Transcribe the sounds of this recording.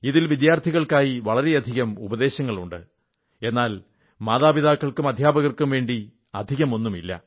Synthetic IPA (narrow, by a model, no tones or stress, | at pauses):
iðilʋid̪jaːrt̪ʰiɣɐɭkaːjiʋɐɭɐɾe̞ɐd̪ʱiɣɐmubɐðe̞ːɕɐŋːɐɭuɳɖɨ | e̞nːaːl | maːðaːbiðaːkːɐɭkumɐd̪ʱjaːbɐɣɐrkumʋe̞ːɳɖi | ɐ̰d̪ʱiɣɐmo̞nːumilːɐ̰